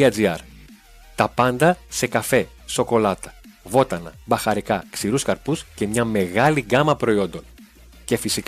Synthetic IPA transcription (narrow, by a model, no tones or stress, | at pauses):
ɐziɐɾ | t̪ɐpɐnd̪ɐse̞kɐfe̞ | so̞ko̞lɐt̪ɐ̥ | vo̞t̪ɐnɐ̰bɐxɐɾikɐksiɾuskɐɾpusce̞mɲɐme̞ɣɐliɡɐmɐpɾo̞io̞nd̪o̞n | ce̞fisik